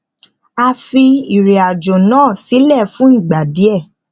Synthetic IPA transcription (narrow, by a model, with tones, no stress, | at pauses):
a˧fi˧i˨ɾe˨a˨d͡ʒo˨nãː˦˨si˨˦lɛ˦˨fũ˦n̩˦˨ɡ͡ba˨di˨˦ɛ˦˨